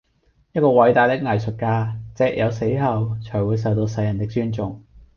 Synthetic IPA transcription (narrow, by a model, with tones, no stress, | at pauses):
jɐ˥t̚kɔː˧wɐ˨˥jt̪aː˨˧jt̪ɪ˥k̚ŋɐ˨˩jsɵ˨t̚kaː˧t͡sɛː˧k̚jʔɐ˨˧wse˨˥jɦɐ˨˧wt͡ʃʰœː˨˩jwuː˨˧js̬ɐ˨wt̪o˧wsɐ˧jːɐ˨˩nt̪ɪ˥k̚t͡ʃyː˥nt͡sʊ˨ŋ